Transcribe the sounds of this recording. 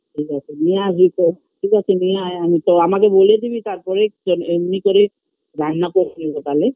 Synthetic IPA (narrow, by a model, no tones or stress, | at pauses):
tʰikasʰinijazit̪o | tʰikat͡ʃʰinijaamit̪ɔamak̬eboled̪ibit̪aɾpɔɾeɔnemnikoɾi | ɾanːakoɾnibot̪ale